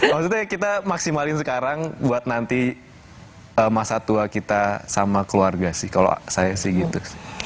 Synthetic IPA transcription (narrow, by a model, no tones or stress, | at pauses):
makst̪ut̪akit̪amaksimalɪnsəkaɾaŋbuat̪̚nant̪i | əmasat̪uakit̪asamakəluarɡasɪhkalo̰sajasɪhɡit̪usɪ̥